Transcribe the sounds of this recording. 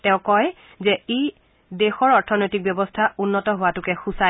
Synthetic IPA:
tɛʊ̃kɔj | zɛe | dexɔɹɔɹtʰɔnojtik̚bjɔbɔstʰaʔunːɔtɔɦʊwatʊkɛxusa

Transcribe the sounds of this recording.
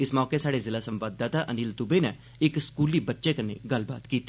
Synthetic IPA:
ɪsmɔːkesaːɽezɪlasə̃mʋaːd̪aːt̪aʔəniːlt̪ʊbenɛ | ɪkskuːlibətːʃekənḛɡəlba̰ːd̪kiːt̪e

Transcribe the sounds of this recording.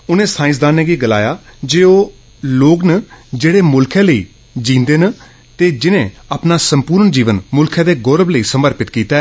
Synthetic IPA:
ʊnẽːsãːɪ̃s̬d̪aːnẽːɡiːɡəla̰ːjaːd͡ʒeːoː | loːɡnəd͡ʒeːɽeːmʊlkʰẽːləḭː | d͡ʒĩːnd̪eːnə | t̪eːd͡ʒɪnẽːaːpnaːsəmpuːɾəɳd͡ʒiːʋənmʊlkʰãːd̪eːɡɔːɾəbləiːsəməɾpɪt̪kiːt̪aː

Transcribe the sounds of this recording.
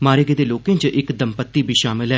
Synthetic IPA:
maːɾeɡeːd̪eːloːkẽːt͡ʃʔɪkd̪əmpət̪ːiːbʱiːʃaːmɪlɦɛː

